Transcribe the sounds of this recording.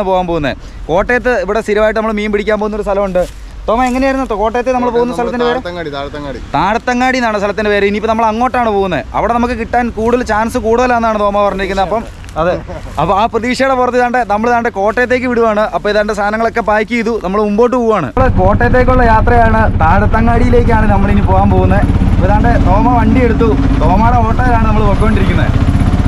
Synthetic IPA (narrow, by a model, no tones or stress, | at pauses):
ɨpoːɣaːnmpo̞ːɣunːɐðḛ | ko̞ːʈːejɐt̪ːɨiʋiɽest̪iɾiʋaːjiʈːɨnɐmːɐɭmiːmpiɽikʲːaːmpoːunːo̞ɾust̪ʰɐlɐmuɳɖɨ | t̪o̞ːmːaeŋːɐneaːjiɾunːɐko̞ːʈːejt̪ːenɐmːɐɭpoːɣunːɐsɐlɐt̪ːindeʋeɾeɐŋːɽt̪ːɐŋːɽit̪aːɽt̪ːɐŋːaːɽinːaːɳɨst̪ʰɐlɐt̪ːindeʋeːɾeinipːonɐmːɐɭɐŋːo̞ːʈːaːɳɨpoːɣunːɐðeʔɐ̰ʋiɽe̞nɐmukːɨkiʈːaːnkuːɽɐlt͡ɕaːnsɨkuːɽuðɐlenːaːɳɨt̪o̞ːmːapɐrɐɲːiɾikʲːunːɐɐpːɐm | ɐðɨ | ɐpːaːprɐðiːʂɐjɽepurɐt̪ːiðaːɳɖe̞nɐmːɐɭðaːɳɖeko̞ːʈːejɐt̪ːe̞ːk̬ʲːɨʋiɽuʋaːɳɨʔɐpːoiðaːɳɖest̪ʰaːnɐŋːɐɭo̞kːepaːjkʲːuiðunɐmːɐɭumbo̞ːʈːɨpoːʋaːɳɨ̰ɐɭko̞ːʈːejɐt̪̬ːe̞ːk̬ʲːuɭːɐjaːt̪rɐjaːɳɨt̪aːɽɐt̪ːɐŋːaːɽijile̞ːk̬ʲːaːɳɨnɐmːɐɭinipo̞ːɣaːnmpoːɣunːɐðeɐpːoiðaːɳɖe̞t̪o̞ːmaʋɐɳːɖie̞ɽut̪ːu | t̪oːmaːɽeoːʈːɐjɐlaːɳɨnɐmːɐɭokːoːɳɖiɾikʲːunːɐðḛ